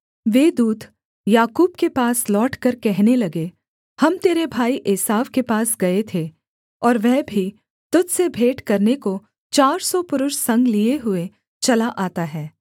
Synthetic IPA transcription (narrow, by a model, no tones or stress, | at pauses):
ʋeːd̪uːd̪ | jaːkuːb̚kepaːslɔːʈkɐɾkɛɦnelɐɡe | hɐmt̪eːɾebʱaːiʔeːsaːʋkepaːsɡɐet̪ʰe | ɔːɾʋɛːbʱi | t̪ʊd̪sebʱeːʈkɐɾneko | t͡ʃaːɾsɔpʊɾʊʃsɐ̃ŋɡlieɦʊe | t͡ʃɐlaʔaːt̪aɦɛː